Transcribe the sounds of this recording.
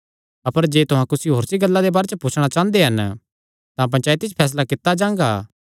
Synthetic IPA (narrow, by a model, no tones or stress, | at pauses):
ɐpəɾd͡ʒeːt̪ʊɦãkʊsiɦoːɾsiɡɐlːãd̪ebaːɾet͡ʃəput͡ʃʰɽ̃at͡ʃãːnd̪eɦɐn | t̪ãp̬ɐ̃nt͡ʃaːit̪ɪt͡ʃpʰɛːs̬lakɪt̪ːad͡ʒãːŋ̆ɡa̰ː